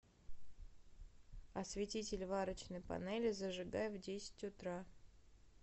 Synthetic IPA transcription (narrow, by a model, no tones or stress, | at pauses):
ɐsvʲɪtʲitʲɪlʲvaɾət͡ɕnəjpɐ̰nɛlʲɪzəʐɨɡajɛvdʲesʲɪ̥tʲʊt̪ɾa